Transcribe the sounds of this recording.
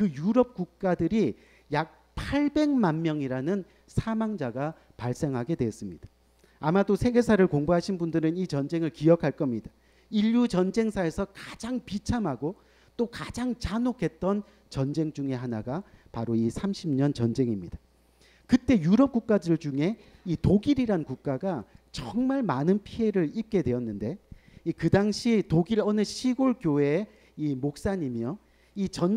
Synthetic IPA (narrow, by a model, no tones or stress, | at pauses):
kɯjuɾʌp̚k͈uk̚k͈adɯɾi | jak̚ | pʰaɭbe̞ŋmanmjʌŋiɾanɯn | sʰamaŋd͡ʑaɡa | paɭs͈e̞ŋɦaɡe̞dwe̞ʌs͈ɯmɲid̥ḁ | amadosʰe̞ɡe̞sʰaɾɯɭkoŋbuɦaɕʰinbundɯɾɯnit͡ɕʌnd͡ʑeŋɯɭkiʌkʰaɭk͈ʌmɲida | iʎjut͡ɕʌnd͡ʑe̞ŋsʰae̞sʰʌkad͡ʑaŋpit͡ɕʰamɦaɡo | t͈okad͡ʑaŋt͡ɕanokʰe̞t̚t͈ʌn | t͡ɕʌnd͡ʑe̞ŋd͡ʑuŋe̞ɦanaɡapaɾoisʰamɕʰimɲʌnt͡ɕʌnd͡ʑe̞ŋimɲid̥a | kɯt͈e̞juɾʌp̚k͈uk̚k͈adɯɭd͡ʑuŋe̞itoɡiɾiɾankuk̚k͈aɡat͡ɕʌŋmaɭmanɯnpʰiɦe̞ɾɯɭip̚k͈e̞dwe̞jʌnːɯnde̞ | ikɯdaŋɕʰitoɡiɾʌnɯɕʰiɡoɭkjoe̞ | imok̚s͈aɲimjʌ | it͡ɕʌn